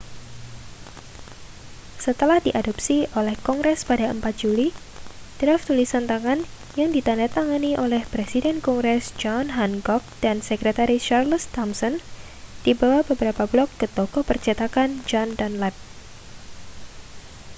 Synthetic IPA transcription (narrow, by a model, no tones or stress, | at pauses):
sət̪əlahdiʔadɔpsiolɛhkɔŋɡɾɛspadaəmpat̪̚d͡ʒuli | d̥ɾaft̪ulisant̪aŋan | jaŋdit̪andat̪aŋaniʔolɛhpɾesidɛnkɔŋɡɾɛsd͡ʒɔnɦanɡɔk̚d̥ansəkɾet̪aɾiʃarlst̪ɔmsɔn | d̥ibawabəbəɾapablɔkːət̪ɔkɔpərt͡ʃat̪akand͡ʒɔndanlɛp̚